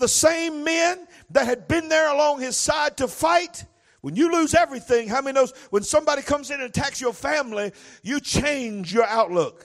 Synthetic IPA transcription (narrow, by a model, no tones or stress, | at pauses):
ðəsẽɪ̃mːæ̃n | ðɨt̚hɨd̚bɪ̃nðə˞əlɔ̃ŋɪz̥saɪd̚tɨfaɪt̚ | wə̃njɨlʉzɛvɹiθɪ̃ŋɦaʊmɛ̃ninoʊzwə̃nsʌ̃mbɑɾikʰʌ̃mzɨ̃nɨ̃ntʰæksjə˞fæ̃mlijɨt͡ʃʰẽɪ̃nd͡ʒjə˞aʊtˡlʊk